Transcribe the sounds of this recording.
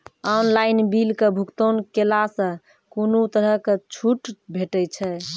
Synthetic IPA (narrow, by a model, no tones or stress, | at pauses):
ɔnlainbilkebʱukt̪onkelasə̃ | konut̪əɾəket͡ʃʰuʈbʱeʈɛt͡ʃʰɛ